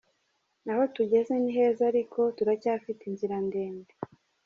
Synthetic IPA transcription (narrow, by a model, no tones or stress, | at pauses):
naho̞tuɟe̞ze̞niɦe̞ːzaɾiko̞tuɾacaːfitinziɾandeːnde